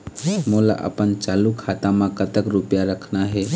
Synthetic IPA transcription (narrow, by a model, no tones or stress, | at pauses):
mola̰ʔə̰pənt͡ʃalukʰat̪amãkət̪əkɾupjaɾəkʰnaɦɛ